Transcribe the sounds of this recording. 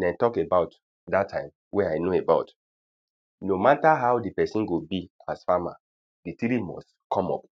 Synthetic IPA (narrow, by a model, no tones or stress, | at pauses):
dɛ̃ntɔkebaʊt | datʰːãɪ̃m | wɛaɪnoebaʊt | nomataɦaʊdipɛsĩnɡobiasfama | ditiɾimɔ̰s | kʰɔ̃mɔ̰p̚